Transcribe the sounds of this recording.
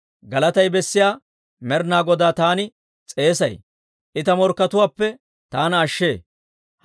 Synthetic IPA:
ɡɐlɐt̪ɐjbɛsːɪjaː | mɛɾnaːɡɔd̪aːt̪aːnɪ | t͡sʼe̞ːsɐj | ʔɪt̪ɐmɔɾkːɐt̪ʊwaːpːɛ | t̪aːnɐːʃːeː

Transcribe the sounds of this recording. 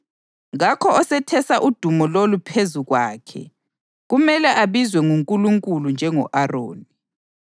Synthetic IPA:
ɣakʰɔɔsɛtʰɛsaʔud̥ʱumɔlolupʰezuɣwa̰ːkʰɛ̰ | ɣumɛlɛʔaβizwɛŋuŋkʼuluŋkʼulund͡ʒʱɛŋɔ̰ʔaro̰ːni

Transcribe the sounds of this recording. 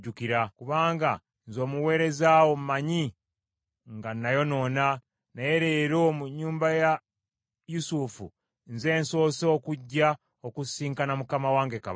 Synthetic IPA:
ɟukiɾakuβaːŋɡa | nzo̞ːmuwe̞ːɾe̞zaːwommaɲi | ŋɡanːajo̞no̞ːna | naje̞ɾeɾomuɲːuːmbaja | jusufṵ | nze̞ːnso̞ːsokuɟːa | okusiːŋkanamukamawaːŋɡe̞kaβ

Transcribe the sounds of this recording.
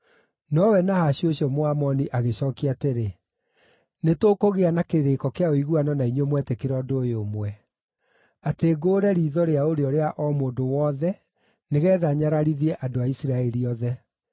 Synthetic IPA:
nɔwɛnahaɕioɕiɔmoamɔniʔaɣeɕɔkiateɾe | netoːkoɣeanakeɾekɔkeaoiɣuanɔnaiɲomwɛtekeɾɔdojomwɛ | ateːɡoːɾɛɾiːðɔɾeaoɾeɔɾeaʔɔmoːndowɔːðɛ | neɣɛːðaɲaɾaɾiðiɛʔadoaisɾaɛɾiɔðɛ

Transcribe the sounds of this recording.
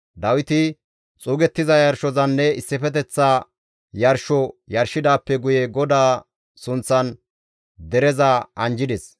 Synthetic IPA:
d̪ɐwɪt̪ɪ | t͡sʼuːɡɛt̪ːɪzɐjɐɾʃɔzɐnːɛɪsːɪfɛt̪̬ɛt͡sːaː | jɐɾʃɔjɐɾʃɪd̪aːpːɛɡʊjɛɡɔd̪aː | sʊnt͡sːɐn | d̪ɛɾɛzɐɐnd͡ʒɪd̪ɛs

